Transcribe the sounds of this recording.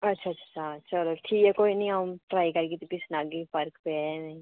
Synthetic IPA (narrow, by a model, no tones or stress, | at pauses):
ɐtːʃʰatt͡ʃʰḁt͡ʃʰat͡ʃɐloːʈʰiːkɛkoːinĩɦamʈɾaːikɐɾɡit̪upɪsnaːɡipʰɐɾkpemɛ̃